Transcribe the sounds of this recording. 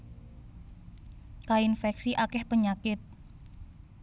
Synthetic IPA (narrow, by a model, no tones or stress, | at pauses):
kainfɛksiʔakɛhpəɲakɪt̪̚